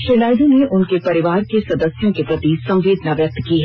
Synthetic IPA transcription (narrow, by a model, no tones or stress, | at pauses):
ʃenaːɪd̪õneʊnkepɐɾɪʋaːɾkesɐd̪əsjõkepɾɐt̪isɐ̃mʋeːd̪ʱnaʋjɐk̚t̪kiɦɛ